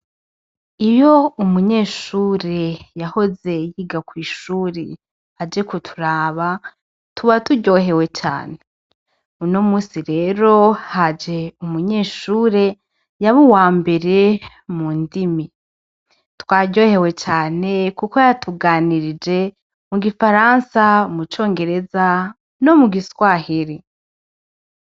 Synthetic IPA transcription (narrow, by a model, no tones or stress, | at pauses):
ijo̞umuɲe̞ːʃuːɾe̞jaho̞ze̞jiːɡakwiːʃuːɾe | had͡ʒe̞kutʰu̥ɾaːβa | tʰuβatuɟo̞ːɦe̞we̞t͡ʃa̰ːne̞ | uno̞muːsiɾe̞ːɾo̞had͡ʒe̞umuɲe̞ːʃuːɾe̞ | jaβuwaːmbe̞ɾe | muːndimi | twaːɟɟo̞ːhe̞we̞t͡ʃaːne̞kuko̞jatʰuɡaːniɾid͡ʒe̞ | muɡifaɾansaumut͡ʃo̞ːŋɡe̞ɾe̞za | no̞muɡiswaːhiɾi